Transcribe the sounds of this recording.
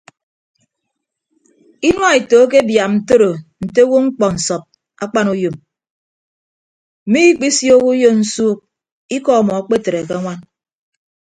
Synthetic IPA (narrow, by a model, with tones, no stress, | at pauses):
i˦nwa˦e˨toː˨˦k̬e˦bja˨mn̩˨to˦ɾo˨n̩˨te˦wo˦ŋ͡m̩˦k͡pɔ˨n̩˨sɔ˨p̚ | a˦k͡pa˦nu˦jo˨m | m̩˨mi˦i˦k͡pi˦sjo˦ku˦jo˦n̩˦suː˦k̚ | i˦kɔ˦˨mɔ˨a˨k͡pe˦˨te˨ɾe˨ke˦ŋʷa˦n